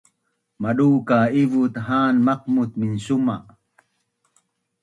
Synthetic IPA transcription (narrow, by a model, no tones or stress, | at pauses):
maɗuːkaivut̪ɦaːnmaq̚mut̪̚minsuma